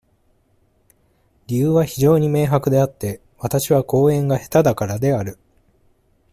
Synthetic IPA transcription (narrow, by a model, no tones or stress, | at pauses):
ɾʲijɯːβaçiʑo̞ːɲ̟ime̞ːɦakɯ̟d̪e̞at̪ːe̞ | βat̪aɕiβako̞ːẽ̞ŋɡahe̞̥t̪ad̪akaɾad̪e̞aɾɯ̟